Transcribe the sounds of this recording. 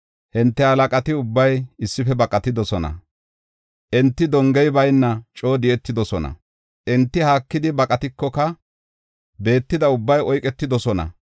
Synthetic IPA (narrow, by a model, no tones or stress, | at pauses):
hɪnt̪ːɛhɐlɐkʼɐt̪ɪʊbːɐjɪsːɪfɛbɐkʼɐt̪ɪd̪ɔsɔnɐ̰ | ʔɛnt̪ːɪd̪ɔŋɡɛjbɐjnːɐt͡ʃʼo̞ːd̪ɪjɛt̪ːɪd̪ɔsɔnɐ̰ | ʔɛnt̪ːɪhaːkːɪd̪ɪbɐkʼɐt̪ɪkːɔkɐ | be̞ːt̪ːɪd̪ɐʊbːɐjɔjkʼɛt̪ːɪd̪ɔsɔnɐ̰